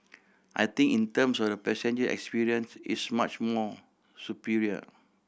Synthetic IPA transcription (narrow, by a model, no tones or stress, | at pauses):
ʔajt̪ĩŋkĩntə̃msɔfdəpɛsɛ̃nd͡ʒəɛ̰kspiɹiə̃nsḭsmat͡ʃmɔ | supiɹiə̰